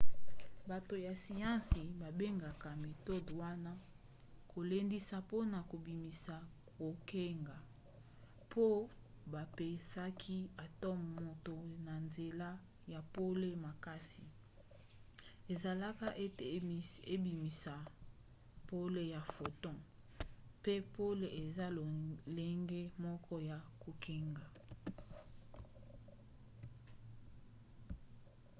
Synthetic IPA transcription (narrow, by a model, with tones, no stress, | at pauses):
ba˨to˨ja˨si˨jã˦si˨ba˨be˦ŋɡa˨ka˨me˨to˦do˨wa˦na˦ | kʰo˨le˦ndi˦sa˦po˦na˨ko˨bi˨mi˨sa˨ | ko˨ke˦ŋɡa˨ | po˦ | ba˨pe˦sa˦kʰi˦a˨tɔ˦m˨mo˨to˨na˨nze˨la˦ | ja˨po˦le˦ma˨ka˦si˨ | e˨za˨la˦ka˦ʔe˦te˨e˦bi˨mi˨sa˨ | po˦le˨ja˨fo˨tɔ̃˦ | pe˦po˦le˨ʔe˨za˦le˦ŋɡe˦mɔ˦kʰɔ˦ja˨ku˨kʰe˦ŋɡa˨